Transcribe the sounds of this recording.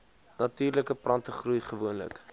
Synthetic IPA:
nɐtiːrləkəprɐntəχrujχəvuənlə̰k

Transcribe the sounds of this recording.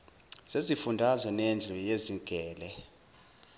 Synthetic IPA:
z̥ezifundʱazwɔnend͡ɮʱujeziɡ̥ʱɛːlɛ

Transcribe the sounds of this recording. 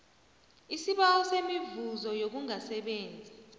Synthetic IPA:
isiɓaɔsemivuzɔjok̬uŋasɛɓeːnd͡zʱi

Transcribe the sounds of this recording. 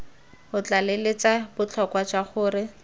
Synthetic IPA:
hʊt͡ɬalelet͡sabʊt͡ɬʰɔkwat͡ʃwaχʊːrɪ

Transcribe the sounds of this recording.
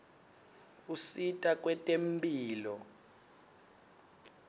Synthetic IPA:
usitʼak̬ʼwɛtʼempʼiːlɔ

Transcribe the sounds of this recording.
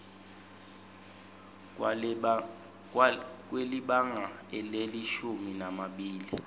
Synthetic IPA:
k̬weliɓaŋaɛleliʃuminamaɓiːli

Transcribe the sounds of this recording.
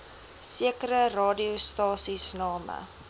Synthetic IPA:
siəkəɾərɑːdiəstɑːsisnɑːmə̰

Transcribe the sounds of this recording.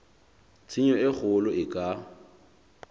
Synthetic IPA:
t͡sʰiɲɔɪk͡xʊlʊɪkʼa

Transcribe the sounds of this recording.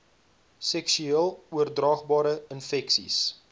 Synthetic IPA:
sɛksyiəlˠuərdrɑːχbɑːɾəənfɛksḭs

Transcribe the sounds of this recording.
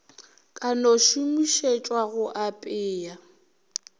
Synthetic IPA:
kʼanoʃumiʃet͡ʃʼwaɣʊʔapʼɪːja

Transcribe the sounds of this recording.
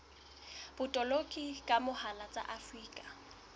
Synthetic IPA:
b̥ʊtʼɔlokʼikʼamʊhalat͡sʼa̰ʔafriːkʼḁ

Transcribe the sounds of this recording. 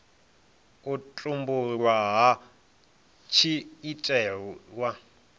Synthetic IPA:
ut͡ɬʼumbuɺwaɦa | t͡ʃʰiːtʼɛwa

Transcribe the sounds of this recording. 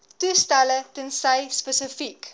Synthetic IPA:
tustælətənsəjspəsəfik

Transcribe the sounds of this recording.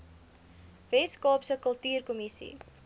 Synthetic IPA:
vɛtskɑːpsəkəlˠtyːrkɔmisḭ

